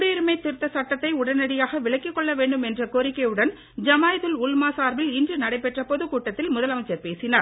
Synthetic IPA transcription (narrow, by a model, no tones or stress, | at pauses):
ɽiɾɯmɐɪt̪ːɪɾɯt̪ːɐsɐʈːɐt̪ːɐɪʊɽɐnɐɽɪjaːɣɐʋɪɭɐɪkːɪkːɔɭːɐʋeːɳɖɯmɛndrɐkoːɾɪkːɐjɯɽɐn | d͡ʒɐmaːjðɯlʊlmaːsaːɾʋɪlɪndrɯnɐɽɐɪpɛʈrɐpɔðɯkuːʈːɐt̪ːɪlmʊðɐlɐmɐt͡ʃːɐɾpeːsɪnaːɾ